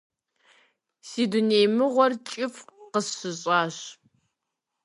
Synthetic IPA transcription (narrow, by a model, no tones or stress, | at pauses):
siːduneːjmɨʁʷɔrt͡ʃʼɪfqəsːɨɕʼaːɕ